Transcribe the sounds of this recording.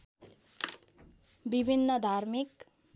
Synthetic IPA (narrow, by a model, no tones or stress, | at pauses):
bibʱinːʌd̪ʱarmik